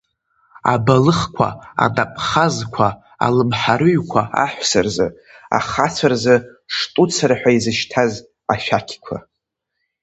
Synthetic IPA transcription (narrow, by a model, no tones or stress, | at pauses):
a̰balɨχkʷʰa̰a̰dʼapʼχazkʷʰa | a̰lɨmħaɾɨɥkʷʰaa̰ħʷsarzɨ | a̰χat͡sʷʰarzɨʂtʼut͡sʰaɾaħʷᶣaizɨʃtʰaz | aʃᶣakʲʰkʷʰa̰